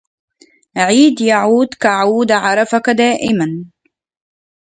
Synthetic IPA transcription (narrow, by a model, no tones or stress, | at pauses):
ʕiːd̪jaʕuːd̪kaʕuːd̪ʕɑɾˤɑfakad̪aːʔɪman